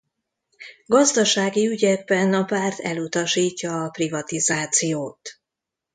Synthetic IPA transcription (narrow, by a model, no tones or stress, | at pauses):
ɡɒzd̪ɒʃaːɡiyɟɛɡ̚bɛnɒpaːrt̪ʰɛ̰lut̪ɒʃiːcːɒːprivɒt̪izaːt̪sijoːt̪